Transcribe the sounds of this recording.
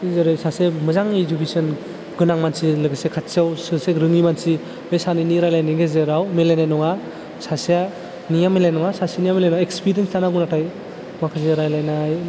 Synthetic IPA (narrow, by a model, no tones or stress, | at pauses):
zɯɾɯjsasemɯzaŋizubisɯn | ɡɯnaŋmansilɯɡɯsekʰatsiawsɯseɾɯŋimansi | bejsanɯniɾajlajniɡezɯɾawmelejnanɔŋa | sasia | nijamelajnɔŋasasanijamelajnɔekspiɾienstanaɡunatʰaj | makʰazeɾajlajnaj